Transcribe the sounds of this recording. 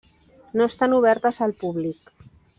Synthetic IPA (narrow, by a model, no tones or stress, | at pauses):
noest̪anuβ̞ɛɾt̪əzəlpuβlik̚